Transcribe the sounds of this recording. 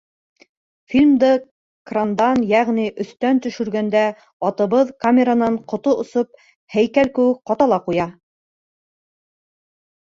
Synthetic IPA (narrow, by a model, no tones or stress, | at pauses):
fʲilʲmd̪ɤ | krand̪ɑnjæʁniʔɵ̆θt̪ænt̪ɵ̆ʃɵ̆ɾɡænd̪æ | ɑt̪ɤ̆βɤðkamʲeɾanɑɴqŏt̪oŏsop̚ | hæjkælkɘ̆wɘk̚qɑt̪ɑlˠɑqujɑ